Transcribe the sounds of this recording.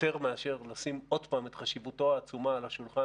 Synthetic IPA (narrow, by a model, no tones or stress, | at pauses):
te̞ʁmeaʃeʁlasimo̞d̪paːmet̪χaʃivuto̞aːt͡sumaːlaʃulχa